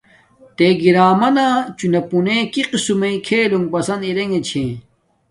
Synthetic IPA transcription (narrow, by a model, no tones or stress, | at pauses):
t̪eɡiɾaːmɐnaːt͡ɕunɐpunekiqisumɐĩkʰeːluŋpɐsɐniɾeŋɡet͡ɕʰẽ